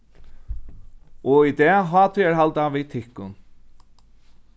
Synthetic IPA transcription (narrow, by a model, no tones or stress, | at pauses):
ɔid̪ɛːɦɑːt̪ʰʏɛɹɦalt̪aʋiːt̪ʰɪhkːʊn